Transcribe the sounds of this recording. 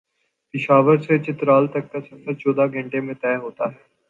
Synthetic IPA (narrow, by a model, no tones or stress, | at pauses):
pɪʃaːʋəɾset͡ʃɪt̪ɾaːlt̪ɐkːasɐfəɾt͡ʃɔːd̪aɡʱə̃ɳʈemẽt̪ɛːɦoːt̪aːɦɛː